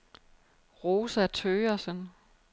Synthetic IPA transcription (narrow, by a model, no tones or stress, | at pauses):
ʁoːsæt͡sʰøːɐsən